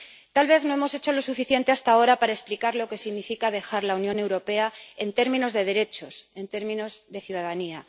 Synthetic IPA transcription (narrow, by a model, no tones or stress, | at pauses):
t̪alβe̞θno̞e̞mo̞se̞t͡ʃo̞lo̞sufiθje̞nt̪e̞ast̪ao̞ɾapaɾaesplikaɾlo̞ke̞siɣnifikað̞e̞xaɾlaunjone̞wɾo̞pe̞ae̞nt̪e̞ɾmĩno̞zðe̞ð̞e̞ɾe̞t͡ʃo̞se̞nt̪e̞ɾmĩno̞zðe̞θjuð̞aðania